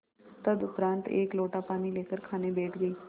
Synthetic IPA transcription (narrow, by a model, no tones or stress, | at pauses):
t̪əd̪ʊpɾãːnt̪ḛːkloːʈaːpaːniːleːkəɾkʰaːneːbeːʈɡəiː